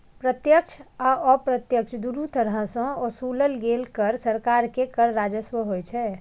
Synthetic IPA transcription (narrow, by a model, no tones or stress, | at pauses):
pɾət̪jəkt͡ʃʰaɔpɾət̪jəkt͡ʃʰd̪uɾut̪əɾɦə̃sɔ̃ɔsuləlɡelkəɾsəɾkaɾkekəɾːad͡ʒəsʋəɦojt͡ʃʰɛ